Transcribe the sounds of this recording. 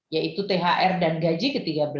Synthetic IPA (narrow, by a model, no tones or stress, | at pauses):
jait̪ut̪eɦaʔɛrdanɡad͡ʒikət̪iɡabəl